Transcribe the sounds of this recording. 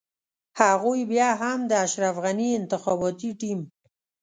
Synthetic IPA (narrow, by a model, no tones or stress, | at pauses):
haɣujbjɑɦamd̪əaʃɾafɣaniɪnt̪ɪxɑbɑt̪iʈim